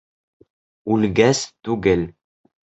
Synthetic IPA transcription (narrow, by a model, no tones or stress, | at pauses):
ʉlʲɡæst̪ʉɡɘl